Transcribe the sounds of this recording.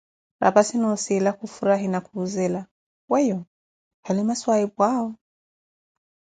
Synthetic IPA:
ɾʔa̰pasinɔsiːlakufuɾaɦinakuːzɛla | wɛjɔ | halimaswaipwaɔ

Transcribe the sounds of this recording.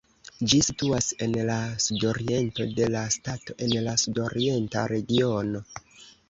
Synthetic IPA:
d͡ʒisituase̞nlasudo̞ɾie̞nto̞de̞lastato̞ʔe̞nlasudo̞ɾie̞nta̰ɾe̞ɡio̞no̞

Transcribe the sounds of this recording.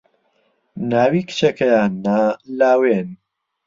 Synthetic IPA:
naːwiːkɨ̥t͡ʃekɐjaːnːalaːwen

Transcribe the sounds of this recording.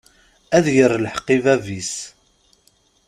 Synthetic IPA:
æðjərːlħəqːivævis

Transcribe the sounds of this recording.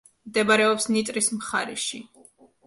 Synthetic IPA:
md̪ɛbaɾɛɔpsnit̪ʼɾismχaɾiʃi

